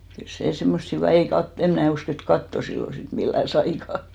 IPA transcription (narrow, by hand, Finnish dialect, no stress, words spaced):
kyl seˑ semːost hyʋiˑ ei kɑt em mnæˑ usk et kɑtːo silːo sit milːæˑ sɑikɑ